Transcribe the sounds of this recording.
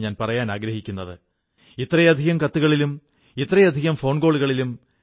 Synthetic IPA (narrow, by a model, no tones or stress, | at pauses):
ɲaːnpɐrɐjaːnaːɡɾɐɦikʲːunːɐðɨ | it̪ːrɐjɐd̪ʱiɣɐmkɐt̪ːuɣɐɭilum | it̪ːrɐjɐd̪ʱiɣɐmfo̞ːɳɡoːɭuɣɐɭilum